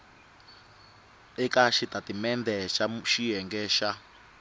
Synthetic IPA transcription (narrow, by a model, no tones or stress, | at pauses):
ɛkaʃit̪atimɛnd̪ɛʃaʃijɛŋɡɛʃa